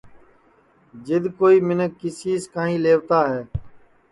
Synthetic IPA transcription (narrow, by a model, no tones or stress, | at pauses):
d͡ʒɪd̪koːiːmɪnəkːɪsiːskãːɦĩːleːʋt̪aːɦɛː